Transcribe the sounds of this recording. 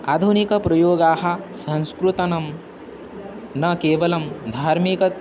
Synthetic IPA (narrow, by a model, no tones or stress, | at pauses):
a̰ːd̪ʱunikɐpɾɐjoːɡaːɦɐ̆sɐ̃nskɾut̪ɐnɐm | nɐkeːʋɐlɐmd̪ʱaːɾmikɐt̪